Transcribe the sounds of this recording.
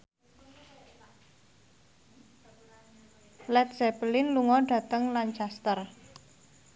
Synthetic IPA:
lɛt̪̚sɛpəlɪnluŋɔɖ̥ä̤t̪əŋlant͡ʃast̪ər

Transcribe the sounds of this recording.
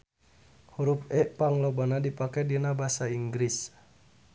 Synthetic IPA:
huɾupɛʔpaŋlobanadipakɛdinabasaiŋɡɾis

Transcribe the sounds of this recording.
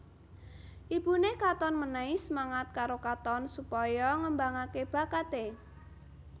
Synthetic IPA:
ʔib̥unekat̪ɔnmənaisəmaŋat̪̚kaɾokat̪ɔnsupɔjɔŋəmbaŋakeb̥a̤kat̪e

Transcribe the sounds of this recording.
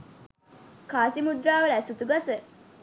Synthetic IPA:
kaːsimud̪ɾaːʋɐlæsut̪uɡasə

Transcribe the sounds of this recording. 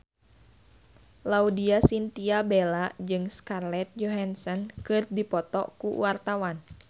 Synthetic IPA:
laudiasint̪iabelad͡ʒɨŋskarlɛt̪̚d͡ʒɔɦansɔnkɨrdipɔt̪ɔ̰kṵwart̪awan

